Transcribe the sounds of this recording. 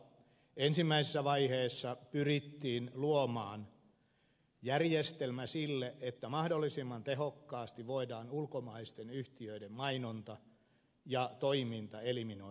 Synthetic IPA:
ensimːæisesːæʋɑiheːsːɑpyrit̪ːiːnluomɑːn | jærjest̪elmæsilːeʔet̪ːæmɑhdolːisimːɑnt̪eɦhokːɑːst̪iʋʋoidɑːnulkomɑːst̪enyht̪iøidemmɑinont̪ɑ | jɑt̪oimint̪ɑelimino

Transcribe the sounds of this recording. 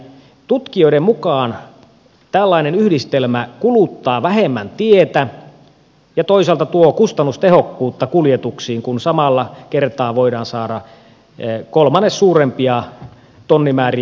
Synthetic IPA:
t̪ut̪kioiɾemmukɑːn | t̪ælːɑinenyhdist̪elmækulut̪ːɑːʋæhemːænt̪iet̪æ | jɑt̪oisɑlt̪ɑt̪uokust̪ɑnːust̪ehokːuːt̪ːɑkuljet̪uksiːŋkunsɑmɑlːɑkert̪ɑːʋoidɑːnsɑːdɑ | kolmɑnːessuːrempiɑ | t̪onːimæːri

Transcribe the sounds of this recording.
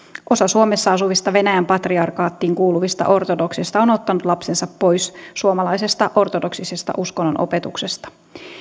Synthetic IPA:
ʔo̞sɑsuome̞sːɑɑsuʋist̪ɑʋe̞næjæmpɑt̪riɑrkɑːt̪ːiːŋkuːluʋist̪ɑ̰ʔo̞rt̪odo̞ksist̪ɑo̞no̞t̪ːɑnut̪lɑpse̞nsɑpːo̞jssuomɑlɑjse̞st̪ɑʔo̞rt̪odo̞ksise̞st̪ɑ̰ʔuskonːonʔo̰pe̞t̪ukse̞st̪ɑ̥

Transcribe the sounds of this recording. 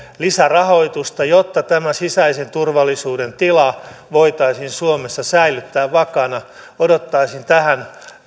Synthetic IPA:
lisærɑhoit̪ust̪ɑjot̪ːɑt̪æmæsisæisent̪urʋɑlːˑisuːdent̪ilɑʋoit̪ɑisinsuomesːɑsæilyt̪ːæːʋʋɑkɑnɑ | odot̪ːɑisint̪æhæn

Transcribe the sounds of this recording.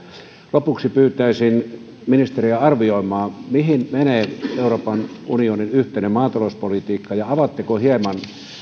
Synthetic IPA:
lopuksipyːt̪ˑæˑisin | minist̪eriæɑrʋioˑimˑɑːmihinmeneːeˑuroːpɑnunioninyht̪ˑenemɑːt̪ɑlospolit̪iːkːɑjɑɑʋɑt̪ːekohiemɑn

